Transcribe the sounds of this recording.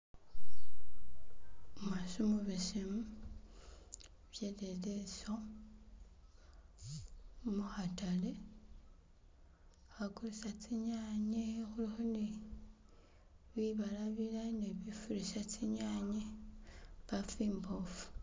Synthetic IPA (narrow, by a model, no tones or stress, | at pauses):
masumuβisimu | βjededeso | muhatale | xakulisat͡sʰiɲaɲexulixoni | βiβalaβilaneβifuɾisatiɲaɲe | βafimbofu̥